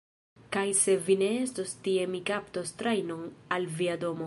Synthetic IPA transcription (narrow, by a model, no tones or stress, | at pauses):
kajse̞vine̞estostie̞mikapt̪ost̪ɾajnoŋalviado̞mo̞